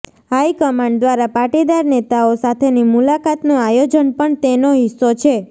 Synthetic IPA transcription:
ɦaikəmaɳɖd̪ʋaɾapaʈid̪aɾnet̪aosat̪ʰenimulakat̪nũajod͡ʒənpəɳt̪enoɦɪsːot͡ʃʰe

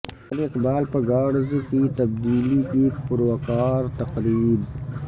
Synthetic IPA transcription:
ɾɪqbaːlpɐɡaːɽzkit̪ɐb̚d̪iːlikipʊɾwɐkaːɾt̪ɐqɾiːb

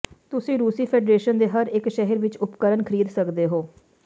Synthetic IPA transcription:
t̪ʊsĩːɾuːsiːpʰeːɖɾeːʃənd̪eːɦəɾɪkʃɛɦəɾʋɪt͡ʃʊpkəɾənkʰəɾiːd̪səkd̪eːɦoː

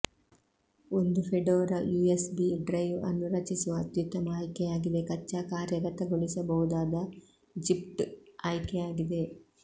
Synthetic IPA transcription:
ond̪upʰeɖoːɾɐjuːesbiɖɾɐjʋɐ̰nːuɾɐt͡ʃisuʋɐːt̪jut̪ːɐmaːjkɛjaːɡid̪e̞kɐt͡ʃːaːkaːɾjɐɡɐt̪ɐɡuɭisɐbɐɦud̪aːd̪ɐ | d͡ʒipʈaːjkɛjaːɡid̪e̞

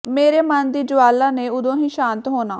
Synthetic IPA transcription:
meːɾeːmənd̪iːd͡ʒʊʋaːlːãːneːʊd̪õːɦĩːʃãːnt̪ɦoːnaː

